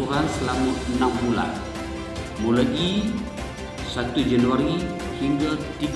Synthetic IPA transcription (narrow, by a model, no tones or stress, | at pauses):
uɾansəlamaənambula̰n | mulaʔi | sat̪ud͡ʒanuaɾi | hiŋɡat̪i